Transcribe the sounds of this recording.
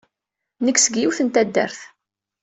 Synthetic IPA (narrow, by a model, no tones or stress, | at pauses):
nəkːsəɡjuwθənt̪æd̪ːə̰ɾθ